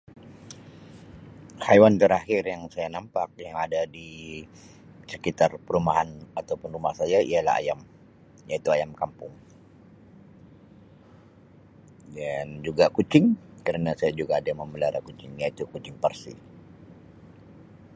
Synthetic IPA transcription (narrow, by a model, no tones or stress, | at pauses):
hajwant̪əɾahɪrjaŋsajanampak̚jaŋadadi | səkit̪arpəɾumaɦanat̪awpʊnrumahsajaḭala̰ha̰jam | jait̪uajamkampʊŋ | dand͡ʒuɡakut͡ʃɪŋkəɾənasajad͡ʒuɡaːdaməməlaɾakut͡ʃɪŋjait̪ukut͡ʃɪŋpərsḭ